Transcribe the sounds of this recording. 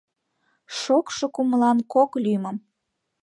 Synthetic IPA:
ʃokʃokuməlɑnkoklymə̆m

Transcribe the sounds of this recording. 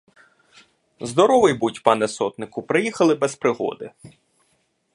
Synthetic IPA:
zd̪ɔɾɔʋɪjbutʲpɑnɛsɔt̪nɪkʊpɾɪjixɐlˠɪbɛspɾɪɦɔ̰d̪ɪ

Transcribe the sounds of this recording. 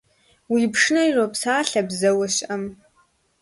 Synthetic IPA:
wiːpʂɨnɐiropsaːɬɐbzɐwɐɕɐm

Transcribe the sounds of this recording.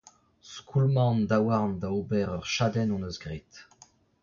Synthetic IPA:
skʰulmɑ̃nd̪awaʁnd̪aobɛʁœʁʃad̪ɛnɔ̃nøzɡʁet̪

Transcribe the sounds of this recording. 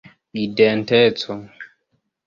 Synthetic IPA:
idɛntɛt͡sɔ

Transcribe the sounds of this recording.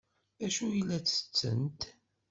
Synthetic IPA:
æʃujəlːæt͡sːə̥t͡sːə̰nt̪

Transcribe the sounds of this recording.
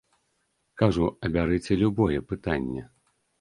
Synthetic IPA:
kaʐuɐbʲaɾɨt͡sʲɛlʲubɔjɛpɨt̪anʲːɛ

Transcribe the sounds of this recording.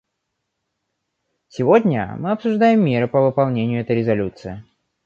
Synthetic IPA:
sʲɪvodʲnʲə̰mɨɐpsʊʐd̪ajɪmːʲe̞ɾɨpəvɨpɐlˠnʲenʲɪjʊɛt̪əjɾʲɪzɐlʲut̪sɨɪ

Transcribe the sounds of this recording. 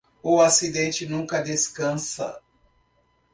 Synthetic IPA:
ʊasid̪ẽnt͡ʃɪnũkɐd̪eskɐ̃sɐ̰

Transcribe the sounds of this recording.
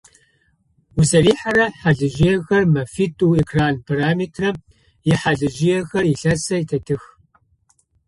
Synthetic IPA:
uzɐriːħaɾɐħaɮɨʒijɛxɐrmɐfitʼuːekʰraːnpʰaɾaːmiːtʰrɐ | jɪħaɮɨʒɪjɛxɐriɬɐsɐjtʰɐtʰɨx

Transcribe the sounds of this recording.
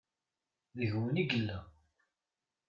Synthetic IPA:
ðəʝwəniɡəlːæ

